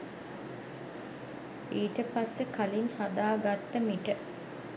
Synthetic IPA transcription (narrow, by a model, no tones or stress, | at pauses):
iːʈəpasːəkalinhad̪aːɡat̪ːəmiʈə